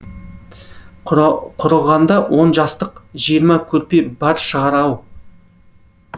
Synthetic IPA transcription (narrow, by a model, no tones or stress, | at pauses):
qʰʊɾəlˠʁɑnd̪ɑwʔo̞nʒɑst̪əqʒijəɾmɑkʲʰɵɾpe̞bɑɾʃəʁɑɾɑw